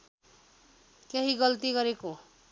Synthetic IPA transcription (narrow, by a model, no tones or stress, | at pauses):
keɦiɡʌlt̪iɡʌɾeko